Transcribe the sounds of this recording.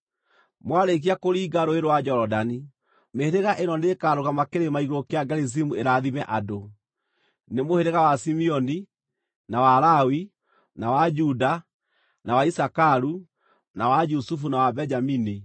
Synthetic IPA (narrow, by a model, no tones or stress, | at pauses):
mwaɾek̬iakoɾiːɡaɾoeɾowad͡ʒɔɾɔdani | meɾeɣaʔenɔneːkaɾoɣamakeɾemaiɣokeaɡɛɾis̬imueɾaðimɛʔado | nemoheɾeɣawasimiɔni | nawaɾawi | nawad͡ʒuda | nawaisakaɾu | nawad͡ʒusufunawabɛd͡ʒamini